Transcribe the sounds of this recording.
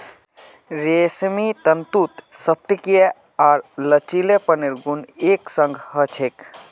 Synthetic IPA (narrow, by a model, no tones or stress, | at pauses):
ɾeːsmit̪ənt̪ut̪səp̚t̪ike | aːɾlət͡ʃilepəniɾɡuneːksəŋɡʱɦət͡ʃʰek